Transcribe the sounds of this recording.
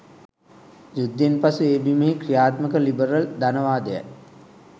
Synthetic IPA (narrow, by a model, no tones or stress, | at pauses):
jud̪ːenpasueːbimeɦikrijaːt̪məkəlibəɾəld̪anəʋaːd̪əja̰k